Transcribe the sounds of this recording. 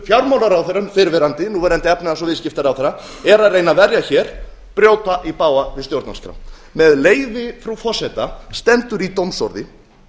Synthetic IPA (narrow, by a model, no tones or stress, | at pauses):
fjawɾmawnaɾawθɛɾʏmfɪɾvɛɾant̪ɪnuːvɛɾɛnt̪ɪɛpnɪasɔvɪðscɪft̪aɾawθɛɾa | ɛɾaðreːjnavɛɾjaçɛːɾ̥ | pɾjoːwt̪aʔipaːwavɪðst̪jowɾt̪nanskʰɾa̰wn | mɛðleːjvɪfɾufɔsɛt̪ast̪ɛnt̪ʏɾit̪owmsɔ̰ɾðɪ